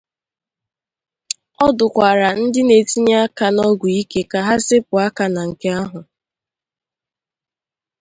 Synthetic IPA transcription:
ɔ˦dʊ˨kʷa˨ɾa˨n̩˦dɪ˦ne˨ti˦ɲa˦a˦ka˨nɔ˦ɡʷu˨i˦ke˦ka˨ɦa˦sɪ˦pʊ˨a˦ka˨na˨ŋ̩˨ke˦a˦ɦʊ˨

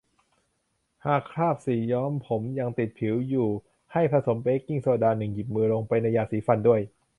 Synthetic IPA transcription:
haː˨˩kʰɾaː˥˩p̚siː˩˦jɔː˦˥mpʰo˩˦mja˧ŋt̪i˨˩t̪̚pʰi˩˦wjuː˨˩ | ha˥˩jpʰɾa˧so˩˦mpeː˦˥kːi˥˩ŋsa˧˩a˩daː˧nɯ˨˩ŋki˨˩p̚mɯː˧lo˧ŋpa˧jna˧jːaː˧˩siː˨˩˦fa˧ndu˥˩əj

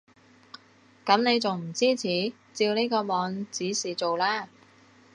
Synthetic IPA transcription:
kɐ˨˥mne˨˧jt͡sʊ˨˩ŋm̩˨˩t͡siː˥t͡sʰiː˨˥ | t͡siː˧wniː˥kɔː˧mɔː˨˧˥ŋt͡siː˨˥siː˨t͡so˨wlaː˥˩

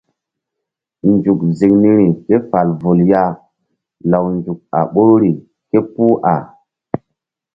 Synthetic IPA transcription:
nd͡ʒu˨kzi˨kni˦ɾi˨ke˦fa˨lvo˨lja˦ | la˨wnd͡ʒu˨k̚a̰˨ɓo˦ɾɾi˨ | ke˦pu˦ʔa˨

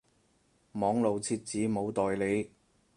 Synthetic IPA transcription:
mɔː˨˥ŋlo˨wt͡sʰiː˧t̚t͡siː˨˥mo˨˧wt̪ɔː˨jle˨˧j

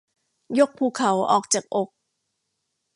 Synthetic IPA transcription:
jo˦˥k̚pʰuː˨˩kʰa˩˦wʔɔː˨˩k̚t͡ɕaː˨˩k̚ʔo˨˩k̚

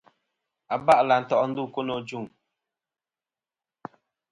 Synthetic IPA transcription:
a˨ba˦ʔla˨n̩˨tɔ˨ʔɔ˦n̩˦du˦˨ko˦no˨d͡ʒu˦˨ŋ

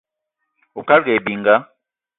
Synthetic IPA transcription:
u˨ka˦lɡe˨bi˨ŋɡa˦

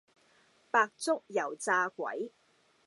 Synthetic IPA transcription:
paː˧k̚t͡sʊ˥k̚jɐ˨˩wt͡saː˧kʷɐ̰˨˥j

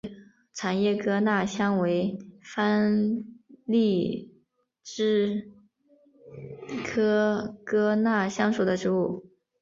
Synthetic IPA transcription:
ʈ͡ʂʰa˨˩njɛ˥˩kɤ˥na˥˩ɕjɑ˥ŋwe˧˥ɪfa˥n | li˥˩ | ʈ͡ʂɻ̩˥ | kʰɤ˥kɤ˥na˥˩ɕjɑ˥ŋʂu˨˩d̪ə˦ʈ͡ʂɻ̩˧˥u˥˩

